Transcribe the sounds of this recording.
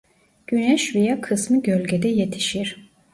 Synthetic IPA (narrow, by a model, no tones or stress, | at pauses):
ɟ̥ynɛʃvijakʰɯsmɯɟølʲɟɛd̪ɛjet̪ʰi̥ʃiɾ̥